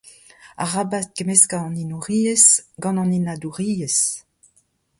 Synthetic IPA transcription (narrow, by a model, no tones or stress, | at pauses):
a̰ʁabat̚ɡemeskaɑ̃ninuʁiːesɡɑ̃nɑ̃ninaduʁiːes